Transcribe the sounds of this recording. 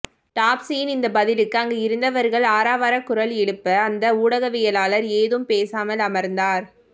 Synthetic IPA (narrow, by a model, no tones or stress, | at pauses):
ʈaːpsijɪnɪnd̪ɐbɐðɪlɯkːɯɐŋɡeːɪɾɯnd̪ɐʋɐɾɣɐɭaːɾaːʋaːɾɐkːʊɾɐlɛɽɯpːɐːnd̪ɐuːɽɐɣɐʋɪjɐlaːlɐɾeːðɯmpeːsaːmɐlɐmɐɾnd̪aːɾ